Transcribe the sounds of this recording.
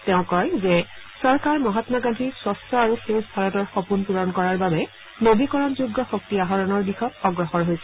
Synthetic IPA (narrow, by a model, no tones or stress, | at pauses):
tɛʊ̃kɔjzɛ | sɔɹkaɹmɔɦatnaɡandʱiswɔsɔaɹuxesbʰʱaɹɔtɔɹxɔpunpuɹɔnkɔɹaɹbabɛ | nobikɔɹɔnzuɡːɔxok̚tiaɦɔɹɔnɔɹdixɔt̚ɔɡɹɔxɔɹɦojsɛ